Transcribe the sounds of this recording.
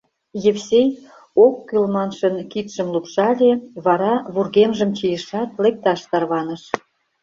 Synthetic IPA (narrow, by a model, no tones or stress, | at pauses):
jefsʲej | okːylmɑnʃənkit̪ʃə̆mlupʃɑlʲeβɑɾɑβurɣemʒə̆mt͡ɕijəʃɑt̪̚lek̚t̪ɑʃt̪ɑrβɑnə̆ʃ